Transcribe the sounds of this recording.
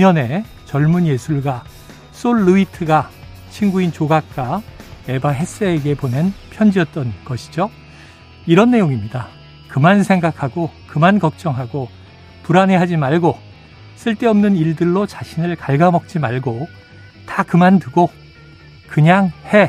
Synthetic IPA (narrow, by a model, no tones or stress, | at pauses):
uɲʌne̞ | t͡ɕʌɭmunje̞sʰuɭɡa | s͈oɭːuitʰɯɡa | t͡ɕʰinɡuint͡ɕoɡak̚k͈ae̞baɦe̞s͈eːɡe̞ponenpʰjʌnd͡ʑiʌt̚t͈ʌnɡʌɕʰi̥d͡ʑo | iɾʌnːe̞joŋimɲida | kɯmansʰe̞ŋɡakʰaɡokɯmankʌk̚t͡ɕ͈ʌŋɦaɡo | puɾaneɦad͡ʑimaɭɡo | s͈ɯɭt͈e̞ʌmnɯniɭdɯɭːot͡ɕaɕʰinɯɭkaɭɡamʌk̚t͡ɕ͈imaɭɡo | takɯmantɯɡo | kɯɲaŋhe̞